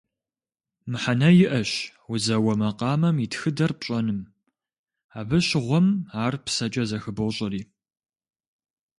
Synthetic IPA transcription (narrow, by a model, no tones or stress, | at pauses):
mɨħanɐjɪʔɐɕ | wʊzɐwɐmɐqɑːmɐmitxɨdɐrpɕʼɐnɨm | aːbɨɕʁʷɔmaːrpsɐt͡ʃʼɐzɐxɨbɐwɕʼɐriː